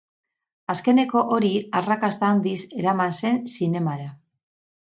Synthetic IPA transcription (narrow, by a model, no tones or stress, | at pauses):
aske̞ne̞ko̞ʔoɾiarakast̪and̪ise̞ɾamanse̞nsine̞maɾa